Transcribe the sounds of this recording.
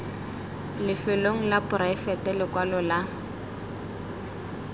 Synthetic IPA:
lɪfɛloŋ̩lapʊɾaɪfɛtɛlɪkwalɔla

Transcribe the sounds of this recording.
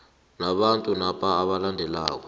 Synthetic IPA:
naɓantʼunapʰʼaːɓalandʱɛla̰ːk̬ɔ̥

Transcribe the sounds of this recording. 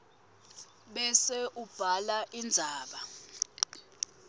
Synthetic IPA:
ɓɛseʔub̥ʱalaʔind͡zʱaːɓa

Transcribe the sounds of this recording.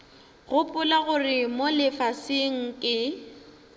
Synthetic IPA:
ɣʊpʼʊlaɣʊrɪmolɪfasɪŋ̩kʼɪ

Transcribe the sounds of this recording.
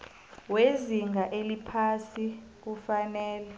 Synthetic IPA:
weziŋɡaʔelipʰasi | k̬ufanɛːlɛ

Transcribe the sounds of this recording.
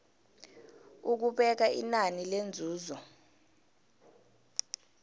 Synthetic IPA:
uk̬uɓɛk̬aḭnanilend͡zʱuːzɔ

